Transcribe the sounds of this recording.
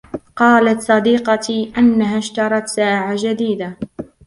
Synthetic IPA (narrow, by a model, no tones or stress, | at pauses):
qɑːlat̪sˤɑd̪iːqɑʔanːaɦaːʃt̪ɑɾˤɑt̪saːʕad͡ʒad̪iːd̪a